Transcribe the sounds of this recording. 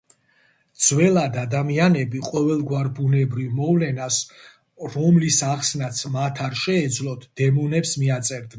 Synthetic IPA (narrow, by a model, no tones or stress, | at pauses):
d̪z̥wɛlˠad̪ad̪amianɛbiqʼɔvɛlˠɡwaɾbunɛbɾivmɔvlɛnas | ɾɔmlisaχsnat̪sʰmat̪ʰaɾʃɛːd̪zlˠɔt̪ʰd̪̥ɛmɔnɛpsmiat̪sʼɛɾd̪